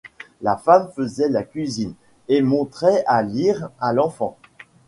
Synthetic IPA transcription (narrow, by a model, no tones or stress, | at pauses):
lafamfəzɛlakʲɥizin | emɔ̃t̪χɛaliʁalɑ̃fɑ̰̃